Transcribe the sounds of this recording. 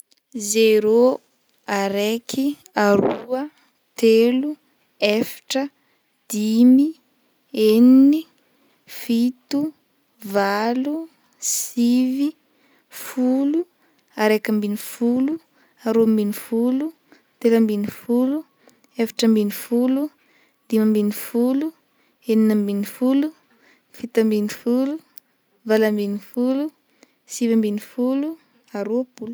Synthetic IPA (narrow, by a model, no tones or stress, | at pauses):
zeɾo | aɾekʰi | aɾuə | t̪elu | efḁʈ͡ʂə | d̪̥imi | enini | fit̪u | valu | sivi | fulu | aɾekəmbinifulu | aɾombinifulu | t̪eləmbinifulu | efḁʈ͡ʂəmbinifulu | d̪imambinifulu | eninəmbinifulu | fit̪əmbinifulu | valambinifulu | sivambinifulu | aɾuapulu̥